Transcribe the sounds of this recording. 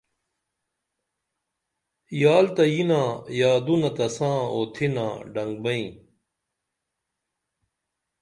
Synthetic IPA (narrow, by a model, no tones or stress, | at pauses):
jaːlt̪ɐjinãːjaːd̪unɐt̪ɐsãːoːt̪ʰinã̰ːɖɐŋɡ̚bɐĩ